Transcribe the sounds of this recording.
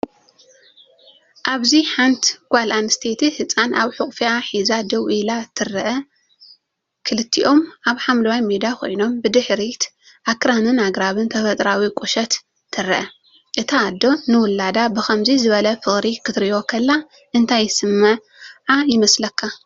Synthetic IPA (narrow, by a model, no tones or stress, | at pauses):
ʔaβziħant̪ɡ̥ʷalʔanst̪ʰet̪ʰihɨt͡sʼanʔaβħukʼfiaħizad̪ɐwʔilat̪ʰɨɾɐʔɐ | kʰɨlɨt̪ʰːiʔo̞mʔaβħamlɐwajmed̪akʰo̰jno̞mbɨd̪ɨħɾit̪ | ʔakɾanɨnaɡɾaβɨnt̪ʰɐfɐt̪ʼɾawikʼuʃɐt̪ʰː | ɨɾɐʔɐ | ʔɨt̪ʰaːd̪ːo̞nɨwʊlːad̪abɨxɐmzizɨβɐlɐfɨxʼɾikʰɨt̪ɾiʔo̞kʰɐlːa | ʔɨnt̪ʰajːɪsɨmːɐʕ | ʕajɪmɐslɐkʰːa